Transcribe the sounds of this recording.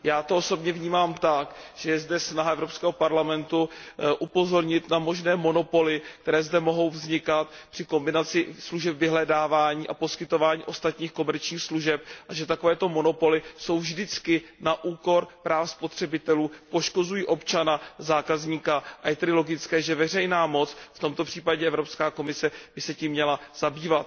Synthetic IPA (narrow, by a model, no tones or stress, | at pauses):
jaːt̪ooso̞bɲɛvɲiːmaːmt̪akʒ̥ɛjɛzdɛsnaɦaɛvɾo̞pskɛːɦopaɾlamɛnt̪uʔupo̞zo̞ɾɲɪt̪namo̞ʒnɛːmo̞no̞po̞lɪk̚t̪ɛɾɛːzdɛmo̞ɦo̞wvzɲɪkat̪̚pr̥ɪko̞mbɪnat͡sɪsluʒɛpvɪɦlɛdaːvaːɲiːʔapo̞skɪt̪o̞vaːɲḭːʔo̞st̪at̪ɲiːxko̞mɛɾt͡ʃɲiːxsluʒɛp̚ʔaʒɛt̪akovɛːt̪o̞mo̞no̞po̞lɪso̞wvʒdɪt͡skɪnaʔuːko̞ɾpɾaːfspot̪r̥ɛbɪt̪ɛluːpo̞ʃko̞zujiːʔo̞pt͡ʃanazaːkazɲiːkaʔajɛt̪ɛdɪlo̞ɡɪt͡skɛːʒɛvɛr̝ɛjnaːmo̞t͡sft̪o̞mt̪o̞pr̝̥iːpaɟɛʔɛvɾo̞pskaːko̞mɪsɛb̥ɪsɛciːmːɲɛlaz̥abiːvat̪̚